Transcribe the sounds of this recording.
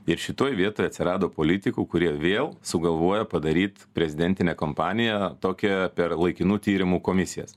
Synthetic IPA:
ɪɾʃʲɪt̪oːjʋʲiɛt̪oːjɐt̪ʲsʲɪɾɑːd̪oːpoːlʲɪt̪ʲɪkuːkʊɾʲiɛʋʲeːlˠsʊɡɐlˠʋoɔjɛpɐd̪ɐɾʲiːt̪pʲɾʲɛzʲɪd̪ʲɛnʲt̪ʲɪnʲɛːkoːmpɑːnʲɪjɛt̪oːkʲɛpʲɛɾlˠɐɪkʲɪnuːt̪ʲiːɾʲɪmuːkoːmʲɪsʲɪjɛ̰s

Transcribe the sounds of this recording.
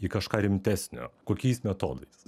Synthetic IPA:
ikɐʃkɑːɾʲɪmʲt̪ʲæːsʲnʲo̰ːkoːkʲɛɪsmʲɛt̪o̰ːd̪ɐɪs

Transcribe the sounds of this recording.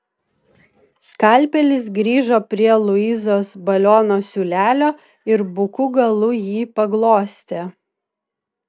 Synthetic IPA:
skɐˑlʲpʲɛlʲɪs̬ɡɾʲiːʒoːpʲɾʲiɛlˠʊizoːsbɐlʲoːnoːsʲuːlʲæːlʲoː | ɪɾbʊkʊɡɐlˠʊjiːpɐɡlˠoːsʲt̪ʲe

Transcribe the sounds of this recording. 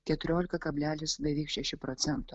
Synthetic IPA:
kʲɛt̪ʊɾʲoːlʲɪkɐkɐbʲlʲæːlʲɪsd̪ʲɐʋʲiːkʃʲɛʃʲɪpɾɔt̪sʲɛnt̪o

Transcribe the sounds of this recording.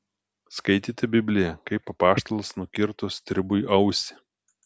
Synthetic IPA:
skɐɪt̪ʲiːt̪ʲɛbʲɪbʲlʲɪjɛkɐɪpːɐpɑːʃt̪ɐlˠɐsnʊkʲɪɾt̪ʊst̪ʲɾʲɪbʊʔɐʊsʲɪ̥

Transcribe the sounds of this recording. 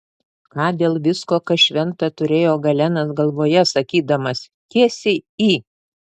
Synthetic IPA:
kɑːd̪ʲeːlˠʋʲɪskoːkɐʃʲʋʲɛnt̪ɐt̪ʊɾʲeːjoːɡɐlʲɛnɐsɡɐlˠʋoːjɛsɐkʲiːd̪ɐmɐs | kʲiɛsʲɪiː

